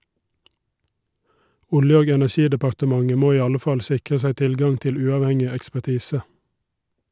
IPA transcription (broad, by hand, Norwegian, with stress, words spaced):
ˈʊljə ˈoːɡ ɛnæˈʃiːdəpɑɾtəˌmɑŋə ˈmoː ˈiː ˈɑlə ˈfɑl ˈsɪkʁə ˈsæɪ ˈtɪlˌɡɑŋ ˈtɪl ˈʉːɑʋˌhɛŋɪ ɛkspæˈtiːsə